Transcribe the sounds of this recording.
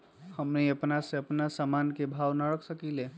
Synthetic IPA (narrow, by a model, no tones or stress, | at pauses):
həmniəpnaseəpnasamankebʱawnəɾəksəkile